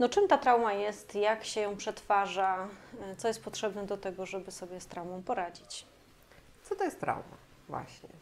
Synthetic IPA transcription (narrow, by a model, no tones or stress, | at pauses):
nɔt͡ʂɘmt̪at̪ɾawmajɛst̪jakɕɛjɔ̃w̃pʂɛt̪faʐat̪sɔjɛst̪pɔt̪ʂɛbnɛd̪ɔt̪ɛɡɔʐɛbɘsɔbʲjɛst̪ɾawmɔ̃w̃pɔɾad͡ʑit͡ɕ | t̪sɔt̪ɔjɛst̪ɾa̰wma̰ | vwa̰ɕɲɛ̰